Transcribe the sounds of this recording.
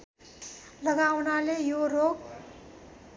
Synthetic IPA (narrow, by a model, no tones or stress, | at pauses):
lʌɡawnalejorok